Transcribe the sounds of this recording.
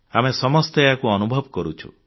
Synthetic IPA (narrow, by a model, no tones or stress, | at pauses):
amesɔmɔst̪eeakuɔnubʱɔbɔkɔɾut͡ʃʰṵ